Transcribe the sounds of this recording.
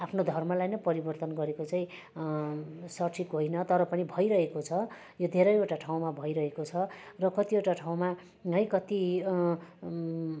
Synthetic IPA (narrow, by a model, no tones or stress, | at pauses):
apʰnod̪ʱʌrmʌlajnʌpʌɾibʌrt̪ʌnɡʌɾekot͡saĩ | sʌrʈʰikɦojnʌt̪ʌɾʌpʌnibʱʌjɾʌɦekot͡sʰʌ | jod̪ʱeɾʌjoʈaʈʰaw̃mabʱʌjɾʌɦekot͡sʰʌrʌkʌt̪ieʈaʈʰaw̃ma | ɦʌjkʌt̪i